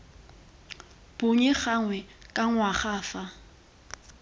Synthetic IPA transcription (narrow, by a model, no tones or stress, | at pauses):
b̥ʊɲɛχaŋwɛkʼaŋwaχaːfa